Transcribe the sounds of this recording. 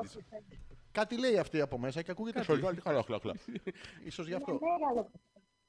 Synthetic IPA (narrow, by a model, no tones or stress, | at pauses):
kɐt̪ile̞iɐft̪iɐpo̞me̞sɐceɐkuʝet̪et̪kɐloxlɐxlɐ̰isozʝɐft̪oeɾɐlop